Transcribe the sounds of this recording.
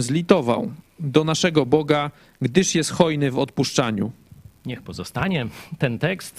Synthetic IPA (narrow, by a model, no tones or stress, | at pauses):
zlʲit̪ɔva̰wd̪ɔnaʂɛɡɔbɔɡa | ɡd̪ɘʂjɛst̪xɔjnɘvɔt̪̚puʂt͡ʂaɲuɲɛxpɔzɔst̪aɲɛt̪ɛnt̪ɛkst̪